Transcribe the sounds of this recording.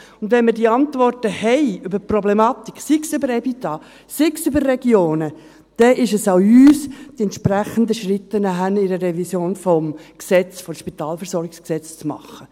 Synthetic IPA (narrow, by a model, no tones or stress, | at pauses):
ʊnd̪ʋɛnmədiːɑntvɔrtəhɛɪʏbəɾprɔblɛmɑt̪ikːsɪksøbəɾɛbit̪ɑː | sɪksʏbəɾːɛɡjoːnə | d̥ɛʔɪʃəsaʊyːsd̥iɛnt̪ʃpɾæχənd̪əʃɾɪt̪ːənəɦænɪɾərɛvisjoːnfɔmksɛt͡sfɔʃpit̪ɑːlfɛɾsɔɾɡɪksksɛt͡st͡smɑ̰χːə